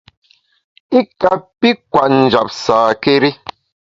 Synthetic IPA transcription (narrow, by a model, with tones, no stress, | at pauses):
i˦ka˨pi˦kwa˨ʔn̩˨d͡ʒa˨p̚saː˨ke˦ɾi˦